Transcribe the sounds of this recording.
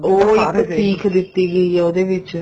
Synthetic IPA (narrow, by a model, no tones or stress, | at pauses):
oːɪkːsiːkʰd̪ɪt̪ːiːɡəiɛoːd̪eːʋɪt͡ʃ